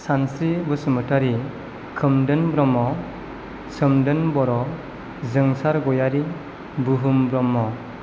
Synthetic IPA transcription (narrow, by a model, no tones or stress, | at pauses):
sansɾibɯsɯmɯtaɾi | kʰɯmdɯnbɾɔmːɔ | sɯmdɯnbɔɾɔ | zɯŋsaɾɡɔjaɾi | buɦumbɾɔmːɔ